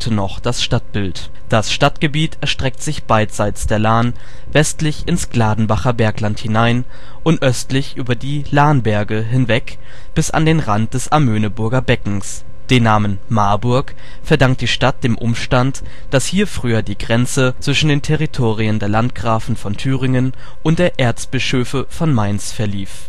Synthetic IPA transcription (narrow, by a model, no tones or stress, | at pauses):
tʰənɔχd̥asʃtat̚b̥ɪlt | d̥asʃtatɡ̥əbiːtɛɐʃtʁ̥ɛk̚tz̥ɪçb̥aɪtz̥aɪt͡sd̥eːɐlaːn | vɛstlɪçɪnsɡ̥laːdn̩baχɐbɛɐklanthɪnaɪn | ʔʊntʔœstlɪçʔyːbɐdiːlaːnbɛɐɡəɦɪnvɛk | b̥ɪsa̰ndeːnʁant̚d̥ɛsʔamøːnəbʊɐɡɐbɛkŋ̩s | d̥eːnːaːmən | maɐbʊɐk | fɛɐdaŋkt̚d̥iːʃtat̚d̥eːmʔʊ̰mʃtant | d̥ashiːɐfʁ̥yːɐdiːɡʁɛnt͡sət͡sv̥ɪʃn̩deːntʰɛʁitʰoːʁiəndeːɐlant̚ɡ̥ʁaːfn̩fɔntʰyːʁɪŋən | ʔʊnt̚d̥eːɐʔeːɐt͡sb̥ɪʃøːfəfɔnmaɪnsfɛɐliːf